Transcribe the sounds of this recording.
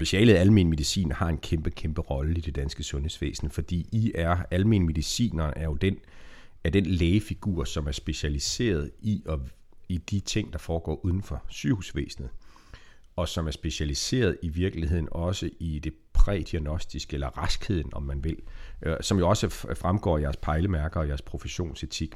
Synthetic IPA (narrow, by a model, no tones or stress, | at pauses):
sb̥e̝ɕɛ̰ːləð̩ˠælme̝nme̝ðˠisḭːnhɑ̈e̝nkʰemb̥əkʰemb̥əʁɒ̽ləid̥e̝d̥ænsɡ̥əsɔ̽nhe̝̰sʋḛːsn̩əfɒ̽d̥ḭːiʔæɐælmḛːnme̝ðˠisḭːnɐʔæɐjo̝d̥en | æd̥enleːɪəfiɡ̥ṵɐ̰sɒ̽mæɐsb̥e̝ɕælise̝̰ːɐð̞̩ˠiɒ̽ | id̥it͡sʰe̝ŋ̰d̥ɑ̈fɒːɡ̥ɒ̰ːʔuð̞ˠn̩fɒ̽syhusʋḛːsn̩ð̩ˠ | ɒ̽sɒ̽mæɐsb̥e̝ɕælise̝̰ːɐð̞ˠiʋiɐɡ̥liɦe̝ð̞̰ˠn̩ɒ̽səʔid̥e̝ | pʰʁɛ̰ːd̥iænɒ̽sd̥isɡ̥əelɐʁɑsɡ̥he̝ð̞̰ˠn̩ɒ̽mːænʋe̝l̰sɒ̽mjo̝ɒ̽səfʁamɡ̥ɒ̰ːjæɐspʰɑ̈ɪləmæɐɡ̥ɐɒ̽jæɐspʰʁo̝fəɕo̝̰ːnset͡sʰiɡ̥